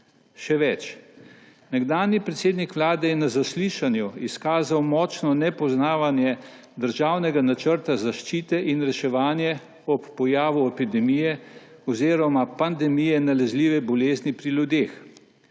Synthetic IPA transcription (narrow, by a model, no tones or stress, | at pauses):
ʃɛʋɛt͡ʃ | nɛɡd̪aːnjipɾɛt̪seːd̪nikʋlaːd̪ɛjɛnazasliːʃanjuiskaːzawmɔːt͡ʃnɔnɛpɔznaːʋanjɛ | d̪əɾʒaːwnɛɡanat͡ʃəɾt̪azaʃt͡ʃiːt̪ɛʔinɾɛʃɛʋaːnjɛ | ɔpːɔjaːʋuɛpid̪ɛmijɛ | ɔziːɾɔmapand̪ɛmijɛnalɛzliːʋɛbɔleːznipɾilʲjud̪ex